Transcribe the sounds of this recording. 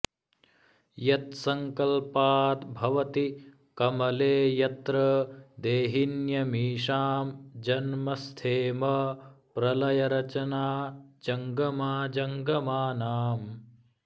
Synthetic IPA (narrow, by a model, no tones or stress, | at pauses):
jɐt̪sɐŋkɐlpaːt̪bʱɐʋɐt̪i | kɐmɐleːjɐt̪ɾɐd̪eːɦinjɐmiːʂaːmd͡ʒɐnmɐst̪ʰeːmɐpɾɐlɐjɐɾɐt͡ʃɐnaːd͡ʒɐŋɡɐmaːd͡ʒɐŋɡɐmaːnaːm